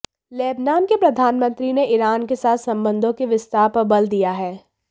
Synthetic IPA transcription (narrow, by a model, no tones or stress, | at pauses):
lɛːbnaːmkepɾɐd̪ʱaːnmə̃nt̪ɾineʔɪɾaːnkesaːt̪sɐ̃mbə̃nd̪ʱõkeʋɪst̪aːɾpəbəld̪ijaɦɛː